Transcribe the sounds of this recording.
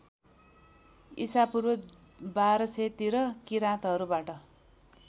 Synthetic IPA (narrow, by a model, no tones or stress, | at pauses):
ḭsapurbʌ | baɾʌset̪iɾʌkiɾãt̪ɦʌɾubaʈʌ